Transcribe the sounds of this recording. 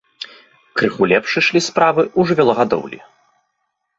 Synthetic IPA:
kɾɨxulʲɛpʂɨʂlʲispɾavɨʔuʐɨvʲɛlˠɔɣad̪ɔ̰wlʲḭ

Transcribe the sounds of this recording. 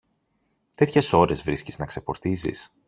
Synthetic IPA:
t̪e̞t̪çe̞so̞ɾe̞zvɾisciznɐkse̞fo̞ɾt̪izḭs

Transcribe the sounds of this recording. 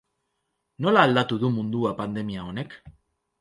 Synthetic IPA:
no̞laːld̪at̪uðumund̪uapand̪e̞miao̞ne̞k

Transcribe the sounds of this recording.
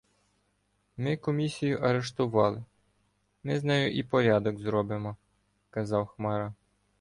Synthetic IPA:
mɪkɔmʲisʲijʊʔɐɾeʃt̪ʊʋɑlˠɪ | mɪznɑjʊʔipɔɾʲɑd̪ɔɡzɾɔbɪmɔ | kɐzɑwxmɑɾɑ

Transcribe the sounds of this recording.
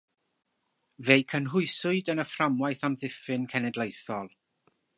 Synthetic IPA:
vejkʰənɦʊɨsʊɨdənəframwajθamðɪfɨnkʰɛnɛdlˠejθɔlˠ

